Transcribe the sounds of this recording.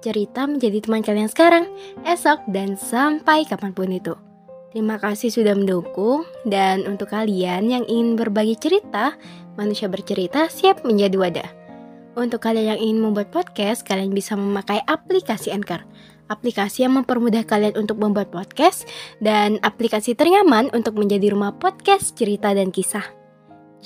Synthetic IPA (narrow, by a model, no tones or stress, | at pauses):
t͡ʃəɾit̪aməɲd͡ʒadit̪əmankaliansə̥kaɾaŋɛsɔk̚dansampajkapanpʊnit̪u | t̪əɾimakasɪhsudahməndukʊŋdanunt̪ʊkːalianjaŋʔiŋɪnbərbaɡit͡ʃəɾit̪a | manusiabərt͡ʃəɾit̪asiap̚məɲd͡ʒadiwada̰ | unt̪ʊkːalianjaŋiŋɪnməmbuat̪̚pɔd̪̚kɛskalianbisaməmakajʔaplikasiɛnkər | aplikasijaŋməmpərmudahkalianunt̪ʊk̚məmbuat̪̚pɔd̪̚kɛsdanaplikasit̪əɾiŋamanʔunt̪ʊk̚məɲd͡ʒadiɾumahpɔd̪̚kɛst͡ʃəɾit̪adankisah